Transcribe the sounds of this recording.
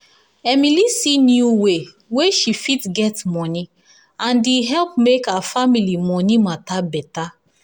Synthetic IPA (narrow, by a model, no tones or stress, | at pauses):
ɛmilisinjuwe | weʃifitɡɛtmɔni | ãndiɦɛlpmekafamilimɔnimatabɛta